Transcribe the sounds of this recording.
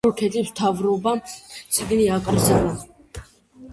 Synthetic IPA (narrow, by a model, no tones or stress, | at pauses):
ɔɾkʰɛt̪ʼipt̪ʰavɾubat͡sʰiɡniakʼəɾzala